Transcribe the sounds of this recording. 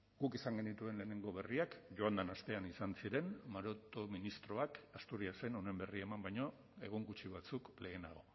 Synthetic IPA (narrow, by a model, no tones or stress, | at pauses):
ɡ̥ukisaŋɡe̞nit̪ue̞nle̞ːne̞ŋɡo̞β̞e̞riakʝo̞and̪anast̪e̞anisansiɾe̞nmaɾot̪o̞minist̪ɾo̞akast̪uɾiase̞no̞ne̞mbe̞riaemambajɲo̞ | e̞ɣ̞oŋɡut͡ʃiβat͡sukle̞ːnaɣ̞o̞